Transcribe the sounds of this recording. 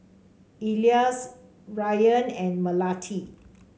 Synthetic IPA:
ilias | ɹajə̃nɛ̃nməlatʰi

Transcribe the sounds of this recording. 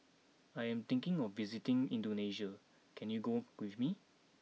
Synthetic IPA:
ajɛ̃mt̪ɪ̃ŋkɪ̃ŋɔfvizitɪ̃ŋĩndoneʃa | kʰɛ̃njuɡowifmi

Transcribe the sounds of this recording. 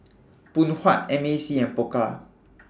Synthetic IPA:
pũnhwat̚ɛmesiɛ̃npoka

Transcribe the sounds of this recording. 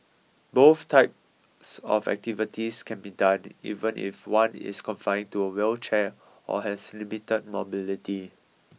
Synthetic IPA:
boθtʰaɪp̚ | sɔ̰fɛ̰k̚tivitʰiskʰɛ̃nbidãnḭvə̃nʔḭfwãnɪ̰skɔ̃ɱfãɪ̃ntuəwɛlt͡ʃɛ | ʔɔ̰hɛslimitəd̚mobiliti

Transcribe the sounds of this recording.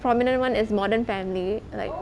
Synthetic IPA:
pɾɔːmɪnə̃ɳʈʋʌ̃nɪzmɔːɖəɾnfæ̃mlila̰ɪk

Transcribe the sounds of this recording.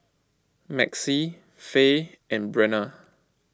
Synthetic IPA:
mɛksi | fe | ʔɛ̃nbɹɛnə

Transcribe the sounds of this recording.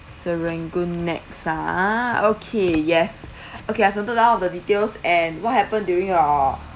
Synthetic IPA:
səɹɛ̃ŋɡonɛ̰k̚saokʰejɛs | okeaɪfɔ̃ntədaɔfdəditelsɛ̃nwɔt̚hɛpə̃ndjuɹĩŋɔ

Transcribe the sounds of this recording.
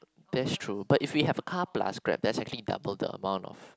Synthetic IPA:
dɛtstʰɹubatɪfwiɦɛvəkʰapla̰skɹɛ̰p̚dɛtsɛk̚t͡ʃəlida̰bəldə̰ə̰mãʊ̃ntɔ̰f

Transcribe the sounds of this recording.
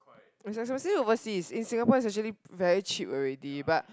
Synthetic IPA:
isɛks̬mɛsiovəsisĩnsĩŋapɔis̬ɛk̚t͡ʃəlivɛɹit͡ʃipɔɹɛdibat̚

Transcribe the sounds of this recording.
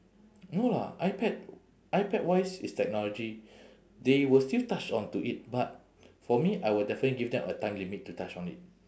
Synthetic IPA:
nola̰ʔaɪpɛd̚ | ʔajpɛd̚wajsḭstɛk̚nɔlɔd͡ʒi | dewəlstiltat͡ʃɔ̃ntuʔit̚bat̚ | fɔmiʔajwədɛfənətliɡivdɛ̃mʔətãɪ̃mlimitːutat͡ʃɔ̃nḭt̚

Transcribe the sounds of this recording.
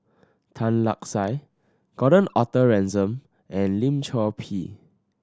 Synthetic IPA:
tʰãnla̰k̚saj | ɡ̥ɔɾə̃nɔtəɹɛ̃nzə̃m | ʔɛ̃nlĩmt͡ʃʰɔpʰi

